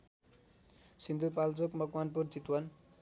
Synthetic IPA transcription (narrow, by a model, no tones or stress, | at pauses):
sind̪upalt͡sokmʌkmanp̬urt͡sit̪wan